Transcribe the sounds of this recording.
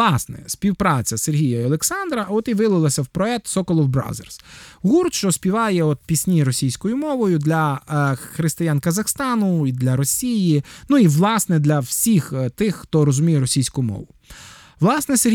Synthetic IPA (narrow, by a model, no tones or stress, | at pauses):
ɑsnɛ̰sʲpʲiwpɾɑt͡sʲɐserɦʲijɐiɐlˠeksɑnd̪ɾɐɔt̪iʋɪlˠɪlˠɐsʲɐwpɾɔɛk̚t̪sɔkɔlˠɔwbɾɑ̰wzḛrsɣurt̪ʃt͡ʃɔsʲpʲiʋɑjɛɔt̪̚pʲisʲnʲiɾɔsʲijsʲkɔjʊmɔʋɔjʊd̪lʲɐxɾɪst̪ɪjankɐzɐxst̪ɑnʊid̪lʲɐɾɔsʲijinuiʋlˠɑsnɛd̪lʲɐwsʲixt̪ɪxxt̪ɔɾɔzʊmʲijɛɾɔsʲijsʲkʊʊmɔ̰ʋʊ | ʋlˠɑsnɛse